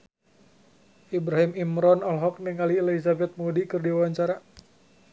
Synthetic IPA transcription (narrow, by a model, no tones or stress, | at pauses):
ʔibɾaɦimimɾɔnɔlɦɔk̚nɛŋaliɛlisabɛt̪̚mudikɨrdiwawaɲt͡ʃaɾa